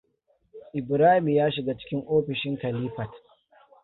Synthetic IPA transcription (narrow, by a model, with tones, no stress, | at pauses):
ʔɪ˨bɾaː˦hɪ˨m˨jaː˦ʃɪ˨ɡa˦t͡ʃɪ̥˦kʲɪ˦ŋʔoː˦ɸɪ˨ʃɪ˦ŋkɐ˨liː˦ɸɐ˨t